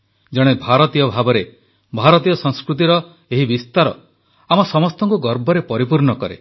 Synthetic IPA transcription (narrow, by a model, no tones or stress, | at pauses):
d͡ʒɔɽ̃ebʱaɾɔt̪ijɔbʱabɔɾe | bʱaɾɔt̪ijɔsɔŋ̃skɾut̪̬iɾɔ | eɦibist̪aɾɔ | amɔsɔmɔst̪ɔŋkuɡɔɾbʱɔɾepɔɾipuɾɳɔkɔɾḛ